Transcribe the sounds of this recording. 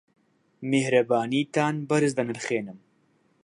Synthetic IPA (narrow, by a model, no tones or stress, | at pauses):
mehɾɐbaːniːt̪aːnbɐɾɨzd̪ɐnɨlχeːnɨm